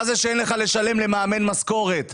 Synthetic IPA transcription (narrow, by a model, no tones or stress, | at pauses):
zeʃeenleχale̞ʃale̞mle̞maːme̞nmasko̞ʁe̞t̪